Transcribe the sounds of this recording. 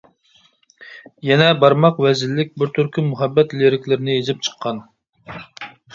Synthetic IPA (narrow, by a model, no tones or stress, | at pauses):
jɛnɛbɑɾmɑqvɛzɪlːɪk̚ʲbɪɾt̪ʰyɾkʲʰymuɦɛbːɛt̪leɾɪkʲlɪɾɪnɪezɪp̚t͡ʃʰə̥qʰːɑn